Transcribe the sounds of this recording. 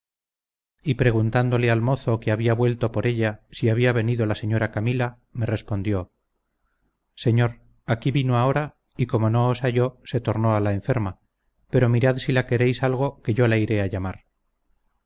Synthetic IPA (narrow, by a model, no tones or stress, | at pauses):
ipɾe̞ɣ̞unt̪and̪o̞le̞almo̞θo̞keaβiaβwe̞lt̪o̞po̞ɾe̞ʎasiaβ̞iaβe̞niðolase̞ɲo̞ɾakamila | me̞re̞spo̞nd̪jo̞ | se̞ɲo̞ɾ | akiβinoao̞ɾa | iko̞mo̞no̞ːsaʝo̞se̞t̪o̞ɾno̞alaeɱfe̞ɾma | pe̞ɾo̞miɾaðsilake̞ɾe̞jsalɣ̞o̞ke̞ʝo̞laiɾe̞aʎamaɾ